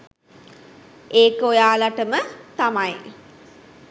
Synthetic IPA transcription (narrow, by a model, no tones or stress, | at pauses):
eːkojaːlaʈəmət̪amaj